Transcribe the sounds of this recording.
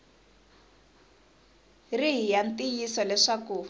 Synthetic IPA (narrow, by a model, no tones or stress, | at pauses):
riɦijantijisɔlɛʂaku